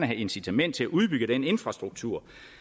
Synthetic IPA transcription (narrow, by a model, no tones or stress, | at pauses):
nəɦæe̝nsit͡sʰæmen̰d̥̚t͡sʰe̝læʔuð̞ˠb̥yɡ̥əd̥enəe̝nfʁɑ̈sd̥ʁuɡ̥̚t͡sʰuɐ̰